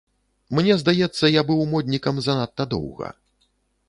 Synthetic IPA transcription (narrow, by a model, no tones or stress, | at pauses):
mnʲɛzd̪ajɛt̪sːɐjabɨwmɔd̪ʲnʲikɐmzanat̪ːɐd̪ɔ̰wɣɐ̰